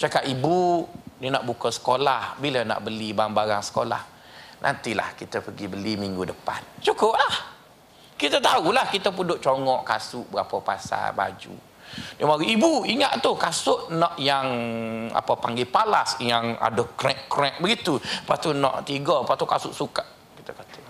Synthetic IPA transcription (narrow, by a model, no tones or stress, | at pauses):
t͡ʃakaʔibudənaʔbukəsə̥kolahbiləna̰ʔbəlibambaɾaŋsə̥kola̰h | nʔa̰nt̪ila̰hkit̪əpəɡibəlimiŋɡudəpa̰nt͡ʃukʊp̚lah | kit̪ət̪aulahkit̪əp̬udʊʔ̚t͡ʃoŋɔʔkasʊʔbəɾapəpa̰sa̰ba̰d͡ʒṵ | dəmaɾuʔibuiŋaʔt̪ukasʊʔnɔʔjaŋa̰pəpaŋɡipalasjaŋa̰dʊkɾɛʔkɾɛk̚bəɡit̪upat̪unɔ̰ʔt̪iɡɔpaʔt̪ukasʊʔsukaʔ | kit̪əkat̪ə̥